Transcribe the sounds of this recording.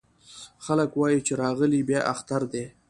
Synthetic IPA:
xaləkwɑjit͡ʃeɾɑɣəlibjɑʔa̰xt̪aɾd̪e

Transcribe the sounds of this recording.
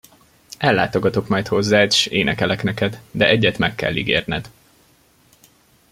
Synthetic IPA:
ɛlːa̰ːt̪o̞ɡɒt̪o̞kmɒjt̪ho̞zːaːt̪eʃeːnɛkɛlɛknɛkɛd̪d̪ɛʔɛɟːɛt̪mɛkːɛ̰lːiɡḛːrnɛ̰d̪

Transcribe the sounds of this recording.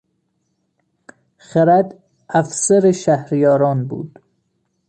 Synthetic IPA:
χeɾæd̪ | æfsæɾeʃæhɾijɒːɾɒːnbṵːd̪̥

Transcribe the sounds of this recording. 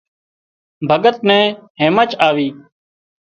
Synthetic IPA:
bʱəɡət̪̚nɛ̃ːɦẽːmət͡ʃaːʋiː

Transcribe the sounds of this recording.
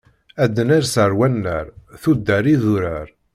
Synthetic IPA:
æd̪ːənaɾsəɾwænːə̰ɾθud̪ːæɾiðuɾæɾ

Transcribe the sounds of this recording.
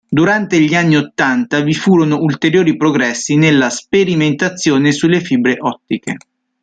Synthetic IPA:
d̪uɾant̪eʎianːiot̪ːant̪avifuːɾonoult̪eɾjoːɾipɾoɡɾɛsːinelːaspeɾiment̪at̪sːjoːnesulːefibɾeʔɔt̪ːike

